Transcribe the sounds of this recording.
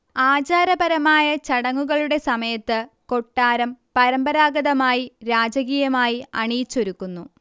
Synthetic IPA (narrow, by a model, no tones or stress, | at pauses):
aːd͡ʑaːɾɐbɐɾɐmaːjɐt͡ɕɐɽɐŋːuɣɐɭuɽe̞sɐmɐjɐt̪ːɨko̞ʈːaːɾɐmpɐɾɐmbɐɾaːɡɐðɐmaːjiɾaːd͡ʑɐɣiːjɐmaːjiɐɳiːt͡ɕːo̞ɾukːunːu